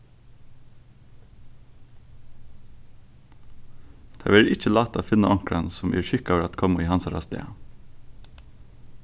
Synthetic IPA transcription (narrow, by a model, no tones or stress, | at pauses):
d̪̥ʰɑ̰ːʋɪɾɪc͡çəlɑːt̪ɑːfɪnəʔɑŋkɾənsɔmʔḛːʃʏkɑːʋəɾɑt̪kʰɔməiːhɑnsɑɾɑ̰st̪ḛː